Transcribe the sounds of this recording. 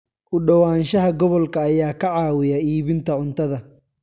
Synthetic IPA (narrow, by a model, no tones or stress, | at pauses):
ʔʊɖɐwaːnʃɐɦɐɡɔβɔlkʰɐːjaːkʰɐʕaːwɪjɐiːβɪnt̪ʰɐʕʊnt̪ʰɐðɐ